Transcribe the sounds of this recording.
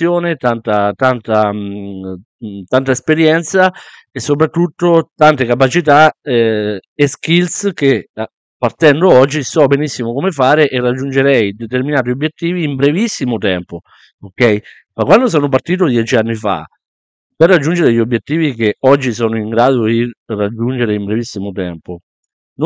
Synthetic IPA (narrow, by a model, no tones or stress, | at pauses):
joːnet̪ant̪at̪ant̪a | t̪ant̪aespeɾjɛnt̪sa | esːop̬ɾat̪ːut̪ːot̪ant̪ekap̬at͡ʃit̪aɛ | eskilske | pːart̪ɛnd̪oɔd͡ʒːisɔbenisːimokomefaːɾeʔerːad͡ʒːund͡ʒeɾɛjd̪et̪erminaːt̪̬iobjet̪ːiːviːmbɾevisːimot̪ɛmpo | okɛj | makwand̪os̬ɔːnop̬art̪iːt̪̬od̪jɛːt͡ʃianːifa̰ | perːad͡ʒːund͡ʒeɾeʎːiobjet̪ːiːvik̟eɔd͡ʒːis̬ɔːnoiŋɡɾaːd̪od̪irad͡ʒːund͡ʒeɾeimbɾevisːimot̪ɛmpo | n